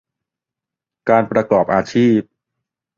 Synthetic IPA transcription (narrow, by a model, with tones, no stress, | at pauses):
kaː˧npɾa˧kɔː˨˩p̚ʔaː˧t͡ɕʰiː˥˩p̚